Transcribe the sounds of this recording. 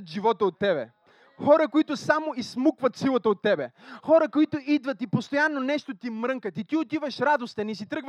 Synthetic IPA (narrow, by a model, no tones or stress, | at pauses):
t̪ʒivɔt̪əot̪ːɛbɛ̰ | xɔɾəkoit̪ʊsamoismukvət̪silˠət̪əot̪ːɛbɛxɔɾəkoit̪ʊʔid̪vət̪ipost̪ojanːonɛʃt̪ot̪imɾəŋkət̪it̪iot̪ivəʃɾad̪ost̪ənisit̪ɾɤɡv